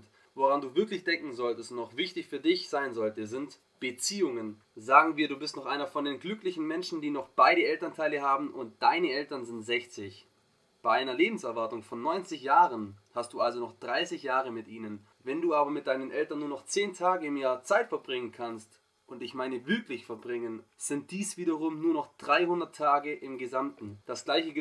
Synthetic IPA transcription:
t | voʁanduːvɪɐklɪçd̥ɛŋkŋ̩zɔltəstnɔχv̥ɪçtɪçfyːɐdɪçz̥aɪnzɔltəzɪnt | b̥ət͡siːʊŋən | zaːɡŋ̩viːɐduːbɪstnɔχʔaɪnɐfɔndeːnɡlʏklɪçn̩mɛnʃn̩diːnɔχb̥aɪɾəɛltɐntʰaɪləhaːbm̩ʔʊnt̚d̥aɪnəʔɛltɐnzɪntz̥ɛçt͡sɪç | b̥aɪʔaɪnɐleːbm̩sɛɐvaɐtʊŋfɔnːɔʏnt͡sɪçjaːʁənhast̚d̥uːʔalzonɔχd̥ʁaɪsɪçjaːʁ̞əmɪtʔiːnən | vɛnduːaːbɐmɪt̚d̥aɪnənʔɛltɐnːuːɐnɔχt͡seːntʰaːɡəɪmjaːɐt͡saɪtfɛɐbʁɪŋənkʰanst | ʔʊntɪçmaɪnəvʏklɪçfɛɐbʁɪŋənz̥ɪnt̚d̥iːsv̥iːdɐʁʊmnuːɐnɔχd̥ʁaɪhʊndɐtʰːaːɡəʔɪmɡəzamtn̩d̥asɡ̥laɪçə

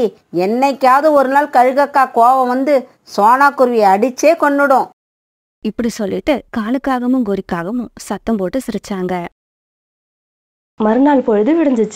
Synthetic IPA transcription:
ɛnːɐɪkːaːðɯɔɾɯnaːlkɐɻɯɣɐkːaːkoːʋɐ̃ʋɐnd̪ɯ | soːnaːkːʊɾɯʋiɐɽɪt͡ʃːeːkɔɳːɯɽʊ̃ | ɪpːɐɽisɔlːɪʈːɯkaːɳɯkːaːɣɐmɯŋɡɔɾɪkːaːɣɐmɯ̃sɐt̪ːɐmpoːʈːɯsɪɾɯt͡ʃːaːŋɡɐ | mɐɾɯnaːlpɔɻɯðɯʋɪɽɯɲd͡ʒɯt͡ʃː

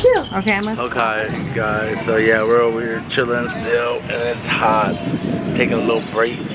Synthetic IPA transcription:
ʉoʊkeɪmʌoʊkʰeɪɡaɪz̥soʊjæwɪɹwɪət͡ʃʰɪdə̃nstɪlˠɨ̃nɪtshɑɹt̚tʰeɪkɪ̃ŋəlɪɾl̩ˠbɹiɪk

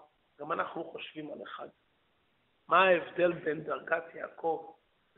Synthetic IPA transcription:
ɡ̥amanaχnuχoʃv̥imaleχad | maːevd̪e̞lbend̪aʁɡatjaakʰo̞v

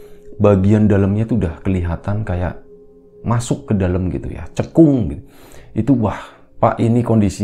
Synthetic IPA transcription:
baɡiandaləmɲat̪udahkəliɦat̪ankaja̰ʔ | masʊkːədaləmɡḭt̪ṵja̰t͡ʃəkʊŋɡit̪u | ʔit̪uah | pa̰ʔinikɔndisi

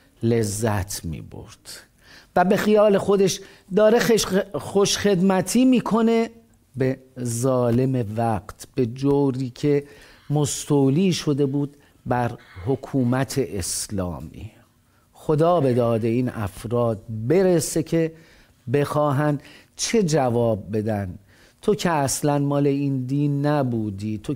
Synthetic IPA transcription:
le̞zːæt̪ʰmḭːbo̞̰ɾd̪̥ | væbe̞xijɒːle̞xo̞d̪e̞ʃ | d̪ɒːɾe̞ʃxoʃχe̞d̪mæt̪ʰiːmiːkʰo̞ne̞ | bezɒːle̞me̞væqt̪ʰb̥e̞d͡ʒowɾiːcʰe̞ | most̪oliːʃo̞d̪e̞buːd̪ | bæɾhokʰuːmæt̪ʰe̞ʔeslɒ̰ːmḭː | xo̞d̪ɒːbe̞d̪ɒːd̪e̞iːnʔæ̰fɾɒːd̪̚be̞ɾese̞cʰe̞ | be̞xɒːɦæn | t͡ʃʰe̞d͡ʒævɒːb̚ːe̞d̪æn | t̪ʰo̞cʰeæslænmɒːle̞iːnd̪iːnːæbuːd̪iːt̪ʰo

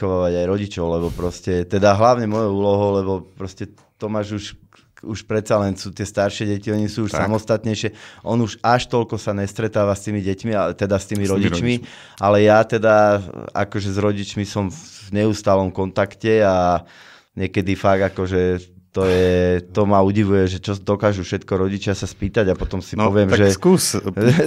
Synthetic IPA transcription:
ɔʋaːʋaɟajɾɔɟit͡ʃɔʊlɛbɔpɾɔscɛt̪ɛd̪aɦlaʊɲɛmɔjɔuːlɔɦɔʊlɛβɔpɾɔscɛ | t̪ɔmaʒuʃ | uʃpɾɛt̪salɛnsuːt̪ɪɛst̪aɾʃɪɛɟɛciɔɲisuːuʃsamɔst̪at̪ɲɛjʃɪɛʔɔnuʃaʃt̪ɔlkɔsaɲɛst̪ɾɛt̪aːʋast̪iːmiɟɛcmiat̪ɛd̪ast̪iːmiɾɔɟit͡ʃmi | ʔalɛjat̪ɛd̪aa̰kɔʒɛzɾɔɟit͡ʃmisɔmvɲɛuːst̪aːlɔmkɔnt̪akcɛa | ɲɛkɛd̪ifaɡ̪akɔʒɛ | t̪ɔjɛt̪ɔmauɟiʋujɛʒɛt͡ʃɔd̪ɔkaːʒufʃɛt̪kɔɾɔɟit͡ʃɪasaspiːt̪aɟapɔt̪ɔmsipɔʋɪɛmʒɛkuːs

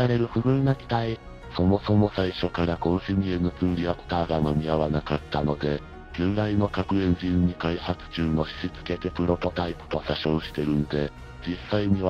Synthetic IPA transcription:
aɾe̞ɾɯ̟ɸɯ̟bɯ̟̃nːakʲi̥t̪ai | so̞mo̞so̞mo̞saiɕo̞kaɾakõ̞ɕimʲiẽnːot͡sɨ̃nɾʲiakɯ̥t̪aːɡamomʲiaβanakat̪ːano̞d̪e̞ | ɡ̥ɯ̃nɾaino̞kakɯ̟ẽ̞ɲd͡ʑĩɲːikaihat͡sɨ̥t͡ɕɨːno̞ɕi̥ɕit͡sɨ̥ke̞t̪e̞pɯ̟ɾo̞t̪o̞t̪aipɯ̟̥t̪o̞ɕaɕõ̞ːɕi̥t̪e̞ɾɯ̟nod̪e̞ | d͡ʑisːaiɲ̟iβ

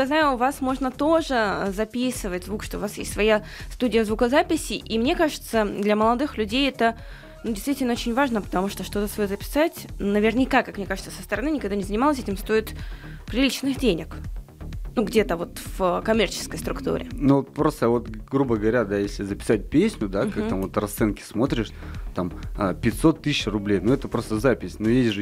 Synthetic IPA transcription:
jaznajʊːvasmo̞ʐnət̪o̞ʐɨzɐpʲisɨvətʲzvukʂt̪oʊvasjḛsʲt̪svɐja | st̪udʲɪjəzvukəzapʲɪsʲɪʔimnʲekaʐɨt̪səd̪lʲɐməlˠɐd̪ɨxlʲʉdʲejɛt̪ə | nudʲɪst̪vʲitʲɪlʲnəot͡ɕɪnʲvaʐnəpə̥t̪ɐmuʂt̪oʂt̪o̞t̪əsvɐjozəpʲɪ̥satʲnəvʲɪrnʲɪkakakmnʲe̞kaʐət̪səsəst̪əɾɐnɨnʲɪkɐɡd̪anʲɪzənʲɪmalˠəs̬ʲɛtʲɪmst̪o̞ɪt̪pɾʲɪlʲit͡ɕnɨɣdʲenʲɪk | nuɡdʲet̪əvo̞t̪v̥kɐmʲert͡ɕɪ̥skəjst̪ɾʊkt̪ṵɾʲɪ̰nut̪pɾo̞st̪əvo̞t̪ɡɾubəɡəvɐɾʲad̪ajesʲlʲɪzəpʲɪ̥sat̚ʲpʲesʲnʲʊd̪akak̚t̪amvo̞t̪rɐst̪sɛnkʲɪ̥smo̞t̪ɾʲɪʂt̪amapʲɪtʲsot̪ːɨɕɕrʊblʲejnuɛt̪əpɾost̪əzapʲɪsʲnujezʲʐɨ

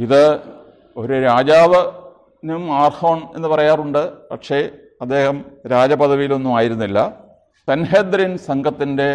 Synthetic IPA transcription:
iðɨ | o̞ɾuɾaːd͡ʑaːʋɐ | numaːrhoːɳe̞̰nːɨpɐrɐjaːruɳɖɨpɐʈʂe̞ː | ɐd̪ːe̞ːhɐmɾaːd͡ʑɐpɐt̪ʰɐʋijilo̞nːumaːjiɾunːilːɐ | sɐnɦeːd̪ɾinsɐŋɡʱɐt̪ːinde̞

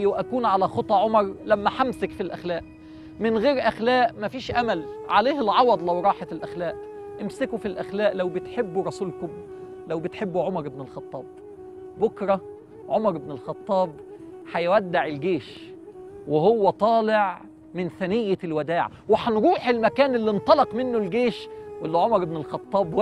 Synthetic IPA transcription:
wʔækuːnʕalæxot̪ˤːɑʕomɑɾˤlæmːæħamsɪkfilʔæxlæːʔ | mɪnɣeːɾʔæxlæːʔmæfiːʃʔæmælʕaleːhelʕɑwɑd̪ˤlæwɾˤɑːħalʔæxlæːʔ | ʔɪmsɪkufilʔæxlæːʔlæwbɪt̪ħebːuɾˤɑsuːlkʊm | læwbɪt̪ħebːuʕomɑɾˤɪbnɪlxɑt̪ˤːɑːb̚ | bʊkɾˤɑ | ʕomɑɾˤɪbnɪlxɑt̪ˤːɑːbħajwæd̪ːɪʕelɡeːʃ | wehowːæt̪ˤɑːlɪʕ | mɪnθænɪjːælwæd̪æːʕ | wɪħanɾuːħelmækæːnelːint̪ˤɑlɑqmɪnːolɡeːʃwelːiʕomɑɾˤebnelxɑt̪ˤːɑːb

